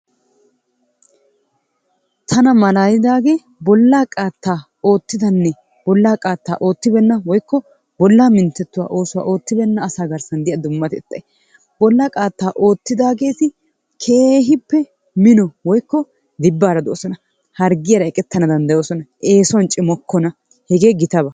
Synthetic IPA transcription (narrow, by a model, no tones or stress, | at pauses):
t̪ʰɐnɐmɐlaːjɪd̪aːɡe̞ː | bɔlːaːkʼaːt̪ːaː | o̞ːt̪ːɪd̪ɐnːɛ | b̥ɔlːaːkʼaːt̪ːa̰ːʔo̞ːt̪ːɪbɛnːɐwɔjkːɔ | bɔlːaːmɪnt̪ːɛt̪ːʊwa̰ːʔo̞ːsʊwa̰ːʔo̞ːt̪ːɪbɛnːɐːsaːɡɐɾsɐnd̪ɪjɐd̪ʊmːɐt̪ɛt̪ːɐj | b̥ɔlːaːkʼaːt̪ːaːʔo̞ːt̪ːɪd̪aːɡe̞ːt̪ɪ | kʰe̞ːɦɪpːɛ | mɪnɔwɔjkːɔ | d̪ɪbːaːɾɐd̪o̰ːsɔnɐ | hɐɾɡɪjɐɾɐɛkʼɛt̪ːɐnɐd̪ɐnd̪ɐjoːsɔnɐʔe̞ːsɔwnt͡ʃʼɪmɔkʰːɔnɐ | hɛɡe̞ːɡɪt̪ɐbɐ